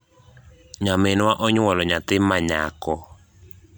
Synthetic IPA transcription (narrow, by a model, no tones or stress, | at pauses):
ɲamɪnwaʔɔɲwɔlɔɲat̪ɪmːaɲa̰kɔ